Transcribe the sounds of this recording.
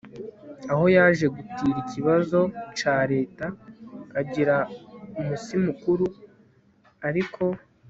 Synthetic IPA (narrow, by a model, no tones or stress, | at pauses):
aho̞jaːʒe̞ɡutiːɾiciβazo̞t͡ʃaːɾe̞ːtakaɟiɾaumusimukuɾu | aɾikʰo̞